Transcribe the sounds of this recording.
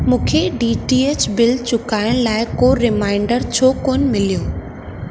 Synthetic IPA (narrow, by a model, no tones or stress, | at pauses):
mũːkʰeɖiːʈiːeːt͡ɕbɪlt͡ɕʊkaːɪʊɽ̃laːɪkoɾɪmaːɪ̃ɳɖəɾt͡ɕʰoːkoːnɪ̆mɪlijoː